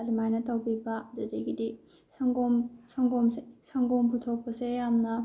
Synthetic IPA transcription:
dɯmajnɐtawbibadɯdeɡidi | saŋɡomsaŋɡomssaŋɡomputʰok̚pɯsejamnɐ

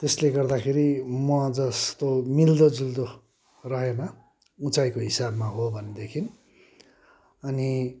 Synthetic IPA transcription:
t̪esleɡʌrd̪akʰeɾimʌd͡zʌst̪omild̪od͡zild̪o | rʌɦenʌ | ut͡sajkoɦisabmaɦobʱʌned̪ekʰin | ʌni

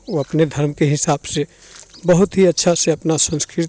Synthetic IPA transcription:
oəpned̪ʱəɾmkeɦɪsaːbsẽ | bəɦʊt̪ɦiətːʃʰaseɐpnasə̃nskɾɪ

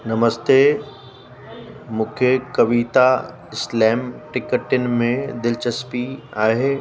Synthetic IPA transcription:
nɐməst̪eː | mʊ̃kʰjəkɐʋiːt̪a | ɪslɛːmʈɪkəʈɪnɪ̆mẽd̪ɪlt͡ʃəspiaːɦeː

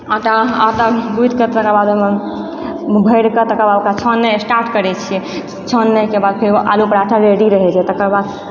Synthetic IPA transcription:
aʈaat̪abud̪ʱkət̪əkabad̪me | bʱəjɽkət̪əkəɾbad̪okat͡ʃʰənːɛsʈaɾʈkəɾɛt͡ʃʰijɛ | t͡ʃʰənːəkebad̪̚pʰeɾʔa̰lupəɾaʈʰaɾeɽiɾəɦɛt͡ʃʰɛt̪əkəɾbad̪

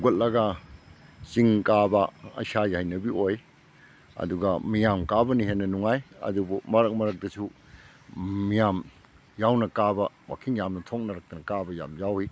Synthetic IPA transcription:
ɡot̚lɐɡɐ | t͡ʃiŋkabɐɐ̰sajhajnɐbioj | ɐ̰duɡɐmijamkabɐniɦenːɐnuŋajɐ̰dubumɐɾɐk̚mɐɾɐk̚dɐsu | ijam | jawnɐkabɐ | wa̰kʰiŋjamnɐtʰok̚nɐɾɐk̚tɐnɐkabɐja̰mjawhi

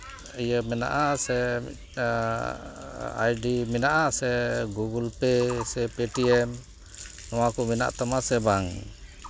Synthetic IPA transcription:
ijəmɛna̰ʔasɛ | a̰jɖiminaʔasɛɡuɡulpɛsɛpɛʈiɛm | nɔakumina̰ʔt̪ɔmasɛbaŋ

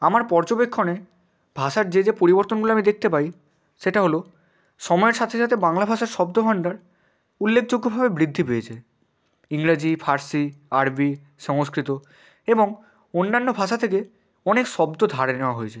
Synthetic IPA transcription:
amaɾpɔɾd͡ʑobekʰːone | bʱaʃaɾd͡ʑed͡ʑepoɾiboɾt̪onɡuloamid̪ek̚t̪epaj | ʃeʈaɦolo | ʃɔmɔeɾʃat̪ʰeʃat̪ʰebaŋlabʱaʃaɾʃɔb̚d̪obʱaɳɖaɾ | ulːekʰd͡ʑoɡːobʱabebɾid̪ʱːipeet͡ɕʰe | iŋɾad͡ʑifʰaɾsiaɾbi | ʃɔŋoskɾit̪o | eboŋ | onːanːobʱaʃat̪ʰeke | ɔnekʃɔbd̪od̪ʱaɾeneoaɦoet͡ɕʰe

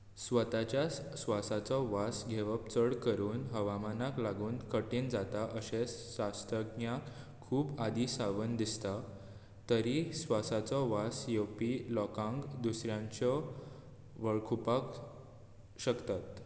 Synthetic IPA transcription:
sʋət̪at͡ɕja | sʋasat͡sɔʋasɡʱeʋəpt͡səɽkəɾuːnɦəʋamanaklaɡuːnkəʈiːnd͡zat̪aʔəɕeɕast̪əɡnjakʰː | uːbad̪isaʋənd̪ist̪a | t̪əɾisʋasat͡sɔʋasjepilɔkãŋɡd̪usɾjãɲt͡ɕɔ | ʋəɭkʰupak | ɕəkt̪at̪

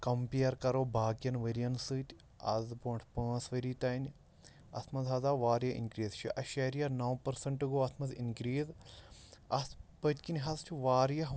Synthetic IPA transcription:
kɐmpejɐɾkɐɾoːbʱaːkjɐnʋɐɾijɐnsɨtʲ | ɐ̰zboːɳʈʰpə̃ːsʋɐɾiːt̪ɐjn | ɐ̰sʰmɐzɐːzaːʋaːɾjɐḭnkɾiːzt͡ʃʰḭʔɐʃɐːɾijɐnɐwpɐɾsɐɳʈɨɡoːɐt̪ʰmɐzinkɾiːz | ɐspətʲkinʲɦɐzt͡ʃʰiʋaːɾjɐɦ

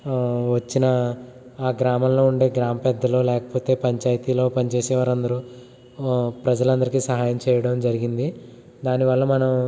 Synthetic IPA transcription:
ʋɐt͡ʃːinɐ | aːɡɾaːmɐmlo̞ːuɳɖe̞ːɡɾaːmɐpɛd̪ʱːɐlo̞ːlɛːkɐ̥po̞ːt̪e̞ːpɐɲt͡ʃaːjɐt̪iːlo̞ːpɐnit͡ʃeːsɛːʋaːɾɐnd̪ɐɾu | pɾɐd͡ʒɐlɐnd̪ɐɾikisɐɦaːjɐmt͡ʃɛːjɐɽɐmd͡ʒɐɾiɡind̪i | d̪aːniʋɐlːɐmɐnɐm

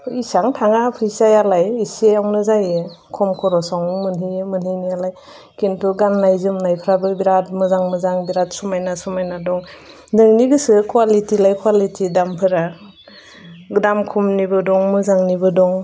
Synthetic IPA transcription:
isaŋtʰaŋapʰɯjsajalajiseawnɯzaje | kʰɔmkʰɔɾɔsaŋmɯnɦimɯnhinijalaj | kintuɡanːajzɯmnajpʰɾabɯbiɾat̚mɯzaŋmɯzaŋbiɾat̚sumajnasumajnadɔŋ | dɯŋniɡɯsɯkwalitilajkʰwalitʰidampʰɯɾa | ɡdamkʰumnibɯdɔŋmɯzaŋnibɯdɔŋ

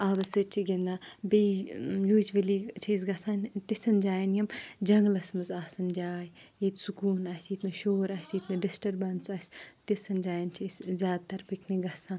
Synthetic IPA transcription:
aːbɐsɨt͡ʃʰiɡʲend̪abejoːd͡ʒʋɐlit͡ʃʰiisɡɐsaːnt̪isɐnd͡ʒaːjɐnjɐmd͡ʒɐŋɡlɐsmɨzaːsɐnd͡ʒaːj | it̪sukuːnasʲit̪nɨʃoːɾɐsʲit̪nɨɖisʈɐɾbɐnsɐsʲt̪isɐnd͡ʒaːjɐnt͡ʃʰisʲzʲaːd̪̚t̪ːɐɾpʰɨkniɡɐsãːn

